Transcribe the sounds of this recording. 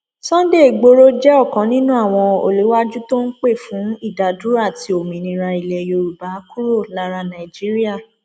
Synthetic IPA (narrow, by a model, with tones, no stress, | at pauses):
sɔ̃˦n˦de˦˨ɡ͡bo˦ɾo˦d͡ʒɛ˦ɔ˦˨kã˨˦nĩ˦nũ˦a˦˨w̃ɔ̃˧o̰˨li˨˦wa˦d͡ʒu˦to˦n̩˦k͡pe˦˨fũ˨˦i˦˨da˨du˨˦a˦˨ti˧o˨mĩ˨nĩ˧˦ɾa˧i˨lɛ˨jo˧ɾu˨ba˨˦ku˦ɾo˦˨la˦ɾa˧nã˨i˨d͡ʒi˦ɾi˦a˦˨